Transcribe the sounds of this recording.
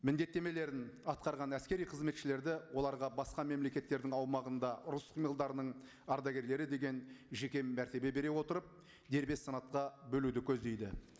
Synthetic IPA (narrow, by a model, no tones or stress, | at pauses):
mɪnd̪e̞t̪ːe̞me̞le̞ɾɪnɑt̪̚qɑɾʁɑnæskʲe̞ɾijqʰəzme̞t̪ʃɪle̞ɾd̪ɪwo̞lˠɑɾʁɑbɑsqɑme̞mle̞kʲe̞t̪ːe̞ɾd̪ɪŋɑwmɑʁənd̪ɑʊɾʊsχimilˠd̪ɑɾənəɴ | ɑɾd̪ɑɡʲe̞ɾle̞ɾɪd̪e̞ɡʲenʒe̞kʲe̞mːæɾt̪e̞be̞be̞ɾe̞wo̞t̪əɾəp̚ | d̪e̞ɾbe̞sːɑnɑt̪̚qɑbɵlud̪ɪkʲʰɵzd̪e̞jd̪ɪ̰